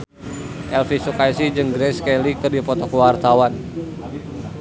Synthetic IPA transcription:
ʔɛlfisukajsid͡ʒɨŋɡɾɛskɛlikɨrdipɔt̪ɔkwart̪awan

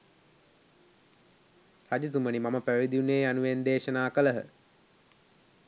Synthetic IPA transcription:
had͡ʒis̬umənimaməpæʋid̪iuneːanuʋend̪eːʃənaːkələɦə̰

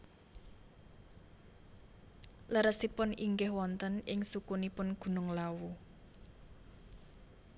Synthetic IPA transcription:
ləɾəsipʊniŋɡɪhwɔnt̪ənɪŋsukunipʊnɡ̥ṳnʊŋlawu

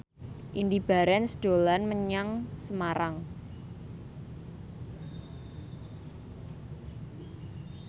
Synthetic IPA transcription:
ʔindib̥a̤ɾɛnsd̪̥o̤lanməɲaŋsəmaɾaŋ

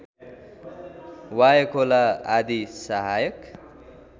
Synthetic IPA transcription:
wajʌkʰolaad̪isaɦajʌk

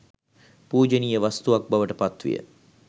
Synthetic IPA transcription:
puːd͡ʒənijəʋast̪uʋak̚baʋəʈəpat̪ʋḭjə̰

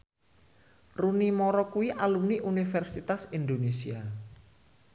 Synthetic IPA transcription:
runimɔɾɔkuwiʔalumniʔunifɛrsit̪asind̪onesia

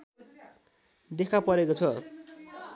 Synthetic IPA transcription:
d̪ekʰapʌɾekot͡sʰʌ

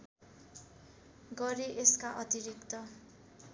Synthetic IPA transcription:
ɡʌɾeʔeskaʔʌt̪iɾikt̪ʌ

